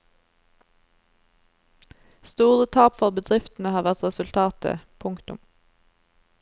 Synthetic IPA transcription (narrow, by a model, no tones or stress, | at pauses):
st̪uːʁət̪ʰɑːpfɔʁbəd̪ʁɪft̪n̩əhɑːʁʋæʁt̪ʁɛsʉlt̪ʰɑːt̪ə̰pʰʊŋkt̪ʊ̰m